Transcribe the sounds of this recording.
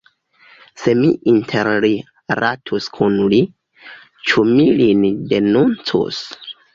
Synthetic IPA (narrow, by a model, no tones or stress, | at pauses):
se̞miʔintʰeɾli | ɾatʰuskʰunli | t͡ʃumilindenunt͡sṵs